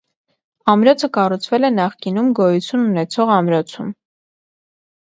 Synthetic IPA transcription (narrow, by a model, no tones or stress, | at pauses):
ɑmɾɔt͡sʰəkɑrut͡sʰvɛlɛnɑχkinumɡɔjut͡sʰjununɛt͡sʰɔʁɑmɾɔt͡sʰum